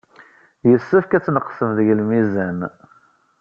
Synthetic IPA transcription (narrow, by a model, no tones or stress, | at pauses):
jəsːəfkæt͡sːnəqːsəmðəʝəlmizæn